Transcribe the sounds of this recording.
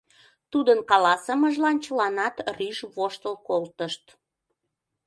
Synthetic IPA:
t̪ud̪ənkɑlɑsəməʒlɑnt͡ɕəlɑnɑt̪ryʒβoʃt̪əlkolt̪əʃt̪

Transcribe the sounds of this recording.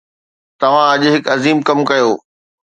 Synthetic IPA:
t̪ɐʋ̤ãɐʄɦɪkɐziːmkɐmkɐjoː

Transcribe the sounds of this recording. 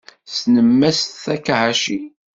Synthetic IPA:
snəmːæsθækːaʕæʃi

